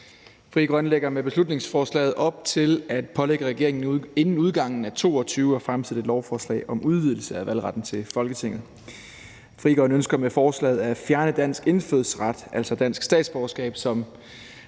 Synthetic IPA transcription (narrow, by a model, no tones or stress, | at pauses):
fʁḭːɡ̥ʁɶnleɡ̥ɐmeb̥e̝slud̥ne̝ŋsfɒːslɛ̰ːɪð̩ˠɒ̽b̥̚t͡sʰe̝læd̥pʰɒ̽leɡ̥əʁɛɡ̥e̝ɐeŋn̩e̝nn̩uðˠɡ̥ɑ̈ŋ̰n̩æt͡sʰo̝̰ːɒ̽t͡sʰyːʊɒ̽fʁamsʰið̩ˠe̝d̥lɒʊfɒːslɛ̰ɪɒ̽mʔuð̞ˠʋiðˠl̩səæʋæl̰ʁɑ̈d̥n̩t͡sʰe̝lfɒ̽lɡ̥ət͡sʰe̝ŋ̰ð̞̩ˠ | fʁḭːɡ̥ɒ̽ɪnønsɡ̥ɐmefɒːslɛ̰ɪð̞̩ˠæfjæɐnəd̥æn̰sɡ̥e̝nføðˠsʁɑ̈d̥ʔælsɒ̽d̥æn̰sɡ̥sd̥ɛ̰ːd̥sb̥ɒʊsɡ̥ɛ̰ːb̥sɒ̽m